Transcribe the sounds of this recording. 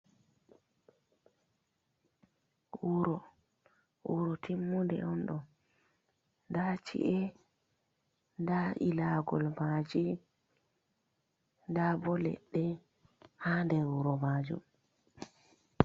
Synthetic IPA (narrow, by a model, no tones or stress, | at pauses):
wuɾɔ | wuɾɔtʰimːundɛ̰ɔnɗɔ | ndat͡ʃḭʔɛ | ndaʔilaɡɔlmad͡ʒi | ndabɔlɛ̰ɗːɛ | handɛɾwuɾɔmad͡ʒṵm